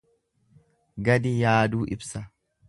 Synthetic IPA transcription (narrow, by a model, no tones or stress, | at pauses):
ɡɐd̪ɪjaːd̪uːʔɪbsɐ